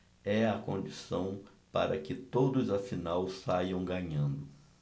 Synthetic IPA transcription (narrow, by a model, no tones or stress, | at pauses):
ɛɐkõnd͡ʒisɐ̃w̃ | paɾɐ̰kɪt̪od̪ʊzɐfinawsajɐ̃w̃ɡɐɲɐ̃nd̪ʊ